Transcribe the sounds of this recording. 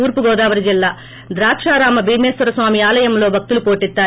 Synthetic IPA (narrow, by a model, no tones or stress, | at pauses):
uːɾpuɡɔːd̪aːʋɐɾid͡ʒilːaː | d̪ɾaːkʂaːɾaːmɐbʱiːmeːsʋɐɾɐsʋaːmiaːlɐjɐmloːbʱɐk̚t̪ulupoːʈit̪ːaː